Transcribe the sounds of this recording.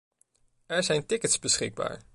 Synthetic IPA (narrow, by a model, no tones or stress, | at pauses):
ɛɹzɛjntɪkətz̥bəsχɪ̰ɡ̚ba̰ːɹ